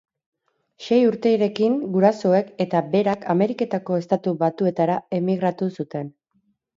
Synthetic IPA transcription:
ʃe̞juɾt̪e̞iɾe̞kiŋɡuɾaso̞e̞ke̞t̪abe̞ɾakʰame̞ɾike̞t̪ako̞e̞st̪at̪uβat̪ue̞t̪aɾae̞miɣ̞ɾat̪usut̪e̞n

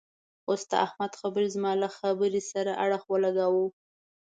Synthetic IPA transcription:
ost̪a̰ʔahmad̪xabəɾizmɑlaxabəɾisaɾaʔaɽəxwəlaɡawu

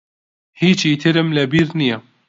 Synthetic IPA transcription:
hiːt͡ʃiːt̪ʰɨɾɨmlɛbiːɾnijɛ

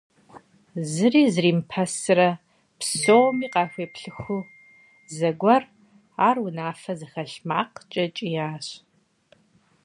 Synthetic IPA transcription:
zɨriːzɨriːmpʰɐsɨɾɐ | psowmiːqɑːxʷeːpɬɨxʷu | zɐɡʷɐr | aːrwʊnaːfɐzɨxɐɬmaːqt͡ʃʼɐt͡ʃʼijaːɕ

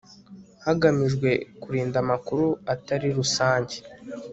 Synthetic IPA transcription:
haɡamiʒɡwe̞kuɾiːndamakuɾuataɾiɾusaːɲɟe

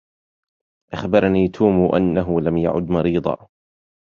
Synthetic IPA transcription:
ʔaxbɑɾˤɑniːt̪ʰuːmʔanːaɦʊlamja̰ʕʊ̰d̪mɑɾiːd̪ˤɑ̰

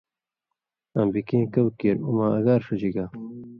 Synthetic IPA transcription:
ambikẽːkɐwkeɾumaːɐɡaːɾʂɐd͡ʑiɡaː

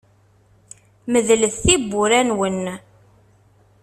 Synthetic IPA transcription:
məðləθθibːʊɾænwən

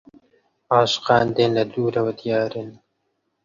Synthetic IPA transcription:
ɑːʃqɑːnd̪eːnlɐd̪uːɾɐwɐd̪ijɑːɾɨn

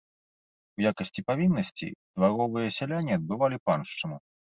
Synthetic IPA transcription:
wjakɐsʲt͡sʲipavʲinːɐsʲt͡sʲḭd̪̥vaɾɔvɨjɐsʲalʲanʲːiɐd̪̚bɨvalʲipanʂt͡ʂɨnu

